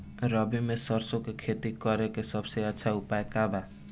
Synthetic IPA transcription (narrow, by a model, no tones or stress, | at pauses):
ɾʌbimesʌrsokekʰet̪ikʌɾekesʌbseat͡sʰaupaekaba